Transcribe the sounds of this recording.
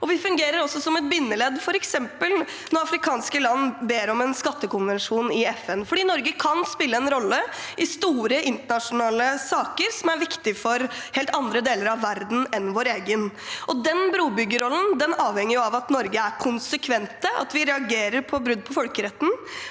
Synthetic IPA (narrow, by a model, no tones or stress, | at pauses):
ʔɔʋɪfʉŋɡeːɾəɾɔsːɔsɔmɛt̪̚bɪnːəlɛd̪fɔɾɛksɛmpəl | nɔɾɑfɾɪkʰɑːnskəlɑnːbeːɾɔmɛnskɑt̪ːəkʊnʋɛnʂuːnɪɛfɛnfɔɖiːnɔɾɡəkʰɑnspɪlːəɛnɾɔlːəʔɪst̪uːɾəʔɪnt̪əɳɑʂʊnɑːləsɑːkəɾsɔmæɾʋɪkt̪ɪfɔɾheːlt̪ɑnd̪ɾəd̪eːləɾɑʋːæɾd̪n̩ɛnʋoːɾeːɡənʔɔd̪ɛnbɾuːbʏɡːəɾɔlːən̩d̪ɛnɑːʋhɛŋːəɾjʊɑʋɑt̪nɔɾɡəæɾkʰʊnsəkʰʋɛnt̪əʔɑ̰t̪ʋɪɾɛɑɡeːɾəɾpʰɔbɾʉd̪̚ːpʰɔfɔlkəɾɛt̪ːn̩